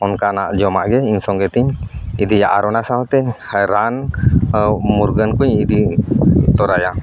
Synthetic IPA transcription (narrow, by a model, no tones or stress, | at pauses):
ɔnkanaʔd͡ʒɔmaʔɡɛiɲsɔŋɡɛt̪iɲid̪ijaʔaɾɔnasaɦɔt̪ɛhajɾan | muɾɡənkuɲid̪i | t̪ɔɾaja